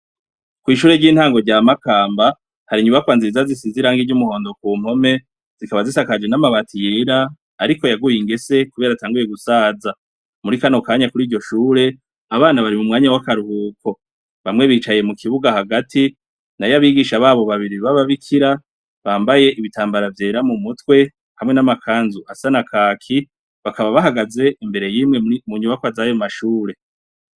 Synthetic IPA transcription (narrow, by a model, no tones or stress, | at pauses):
kwiːʃuːɾe̞ɟiːn̥haːŋɡo̞ɟaːmakaːmba | haɾiɲuβakwaːnziɾizazisiziɾaːŋɡiɟumuho̞ːndokuːm̥ho̞me̞ | z̥ikaβazisakad͡ʒwenamaβatʰijeɾaː | ɾiko̞jaɡujiŋɡe̞se̞kuβe̞ɾataːŋɡuje̞ɡusaːza | muɾikano̞kaːɲakuɾiːɾɟo̞ʃuːɾe̞ | aβaːnaβaɾimumŋaːɲawakaɾuhuːko̞ | βamŋe̞βiːt͡ʃaje̞mukʰiβuɡahaɡati | najaβiːɡiʃaβaːβo̞βaβiɾiβaβaβikʰiɾa | βaːmbaje̞ʔiβitʰaːmbaɾavje̞ːɾamumutwe̞ | hamŋe̞namakʰaːnzuasanakʰaːkʰi | βakaβaβaɦaɡaze̞imbe̞ɾe̞jiːmŋe̞muɲuβakwazajo̞maʃuːɾe̞